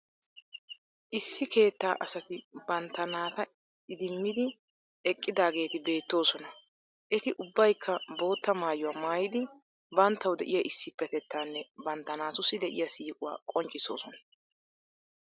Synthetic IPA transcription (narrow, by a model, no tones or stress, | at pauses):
ʔɪsːɪke̞ːt̪ːaːʔɐsɐt̪ɪbɐnt̪ːɐnaːt̪ɐ | ɪd̪ɪmːɪd̪ɪ | ɛkʼːɪd̪aːɡe̞ːt̪ɪbe̞ːt̪ːo̞ːsɔnɐ | ʔɛt̪ɪʔʊbːɐjkʰːɐbo̞ːt̪ːɐmaːjʊwaːmaːjɪd̪ɪ | bɐnt̪ːɐwd̪ɛʔɪjɐʔɪsːɪpːɛt̪ɛt̪ːaːnːɛbɐnt̪ːɐnaːt̪ʊsɪd̪ɛʔɪ̰jɐsiːkʼʊwa̰ːkʼɔnt͡ʃʼːɪso̞ːsɔnɐ̥